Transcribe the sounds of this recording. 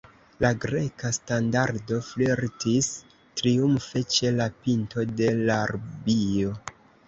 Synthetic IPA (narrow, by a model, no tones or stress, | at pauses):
laɡɾe̞kastandaɾdo̞fleɾtis | tɾiumfet͡ʃe̞lapinto̞de̞laɾbio̞